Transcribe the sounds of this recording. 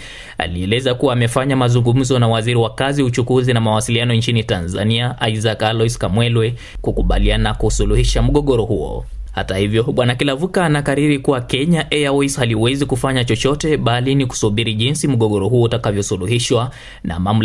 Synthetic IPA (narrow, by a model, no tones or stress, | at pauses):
a̰liɛlɛzakuwaːmɛfaɲamazuŋɡum̩zɔnawaziɾiwakaziut͡ʃukuzinamawasilianɔnt͡ʃinitanza̰niaʔaizakalɔskamwɛlwɛ | kukuɓa̰lianakusuluhiʃam̩ɠɔɠɔɾɔhuɔ̰hatahivjɔɓwanakilavukaːnakaɾiɾikuwakɛɲaʔɛaishaliwɛzikufaɲat͡ʃɔt͡ʃɔtɛɓaliniku̥suɓiɾiʄinsim̩ɠɔɠɔɾɔɦuɔtakavjɔsuluhiʃwa | na̰mam̩l